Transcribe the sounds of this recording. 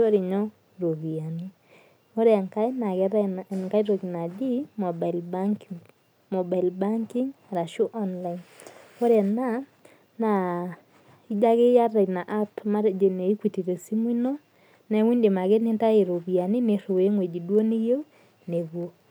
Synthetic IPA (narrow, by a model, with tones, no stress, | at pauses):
o˦ɾe˨ɲɔ˦ | ɾo˨βi˨a˨ni˦ | o˦ɾɛ˨ŋka˦i˦na˨ɣɾŋka˦i˦ɾo˨ki˨na˨di˦mɔ˨ba˨i˨lbakiŋ | mɔ˨ba˨i˨lba˦ŋki˦ŋ | ɾa˨ʃo˦ʔɔ˦nla˦ino˦ɾɛ˨na˦ | na˨ | i˦d͡ʒa˦ɣe˦ja˦ɾa˨i˨na˨ʔa˦tma˦ɾd͡ʒe˨ne˨i˦kwi˨ti˨ɾe˨si˦mwi˦no˦ | nɛ˨˦wi˦nde˨ma˨ɣe˦ne˦nta˦e˨ɾo˨βi˨a˨ni˦ne˨ɾo˨e˦ŋwe˨d͡ʒi˨dwo˦ni˦ɣe˦u˦ | ne˨βwo˦